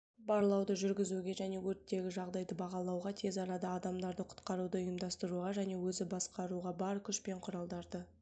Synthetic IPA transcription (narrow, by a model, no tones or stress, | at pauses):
bɑɾlˠɑwd̪əʒʏɾɡʲɪzuɡʲe̞ʒæne̞wɵɾt̪ːe̞ɡʲɪʒɑʁd̪ɑjd̪əbɑʁɑlˠɑwʁɑt̪ʰe̞zɑɾɑd̪ɑːd̪ɑmd̪ɑɾd̪əqʰʊ̥t̪qɑɾud̪əʊjəmd̪ɑst̪əɾuʁɑʒæne̞wɵzɪbɑsqɑɾuʁɑbɑɾkʲʰʏʃpe̞ɴqʰʊɾɑlˠd̪ɑɾd̪ə